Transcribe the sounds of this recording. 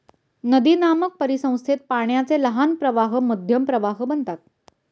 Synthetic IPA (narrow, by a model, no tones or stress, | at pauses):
nəd̪iːnamək̚pəɾisə̃w̃st̪ʰet̪̚paɳjat͡seləɦanpɾəʋaɦməd̪ʱjəmpɾəʋaɦbənt̪at̪̚